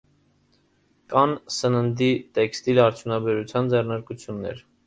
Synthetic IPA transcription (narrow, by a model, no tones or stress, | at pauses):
kɑnsənənd̪it̪ɛkst̪ilɑɾt͡sʰjunɑbɛɾut͡sʰjɑnd͡zɛrnɑɾkut͡sʰjunːɛ̰ɾ